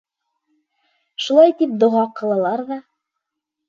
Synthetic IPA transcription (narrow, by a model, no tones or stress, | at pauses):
ʃulˠɑjt̪ip̚d̪ŏʁɑqɤ̆lˠɤ̆lˠɑɾðɑ